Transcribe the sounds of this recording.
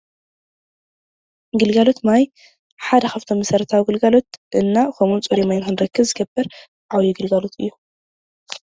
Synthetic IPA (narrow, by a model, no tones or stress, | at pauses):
ɡɨlɡalo̞t̪maj | ħad̪ɐxaft̪ʰomːɐsɐɾɐt̪ʰawɡɨlɡalo̞t̪ʔɨnːakʰomunt͡sʼoɾemajnxɨnɾɐkːɨβzɨɡɐbːɨɾ | ʕawjiɡɨlɡalot̪ʰɨ̰jːu